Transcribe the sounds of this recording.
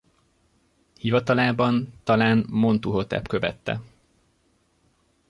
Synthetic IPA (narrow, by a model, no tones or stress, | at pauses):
hivɒt̪ɒlaːbɒnt̪ɒlaːnmo̞nt̪uɦo̞t̪ɛ̰pkø̞vɛ̰t̪ːɛ̰